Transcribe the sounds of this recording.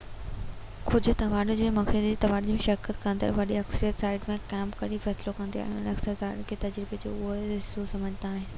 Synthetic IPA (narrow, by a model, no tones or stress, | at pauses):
kʊd͡ʑʱʊ̆t̪ɐʋaːɖʊd͡ʑeːmɐkʰɪld͡ʑeːt̪ɐʋaːɽd͡ʑmẽʃɐɾkət̪kɐ̃nd̪ə̰ɾʋɐɗiɐksəɾijət̪saːɪɖmẽkɛːmpkɐɾifɛːslokɐ̃nd̪ia̰ɦɪ̃ʊnɐksəɾt̪aːɽkʰeːt̪ɐd͡ʑɾibed͡ʑo̰ːʊɦoɪsosɐməd͡ʑʱnaːɦɪnɪ̆